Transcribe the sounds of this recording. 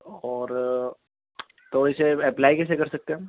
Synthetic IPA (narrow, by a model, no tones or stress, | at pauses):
ɔːɾ | t̪oɪseɛplaːikɛːs̬ekɐɾsɐk̚t̪ẽ